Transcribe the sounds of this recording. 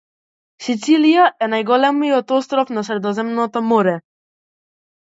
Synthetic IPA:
sit̪silijaʔɛnajɡɔlɛmiɔt̪ɔst̪ɾɔfnasɾɛd̪ɔzɛmnɔt̪ɔmɔɾɛ

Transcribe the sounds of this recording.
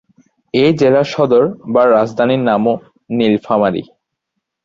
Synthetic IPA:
ed͡ʑelaʃɔd̪oɾbaɾad͡ʑd̪ʱaninamo | nilfamaɾḭ

